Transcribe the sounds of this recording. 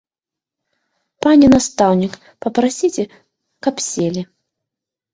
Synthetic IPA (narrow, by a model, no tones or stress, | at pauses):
panʲɛnast̪awnʲik | pɐpɾasʲit͡sʲɛ | kɐpsʲelʲi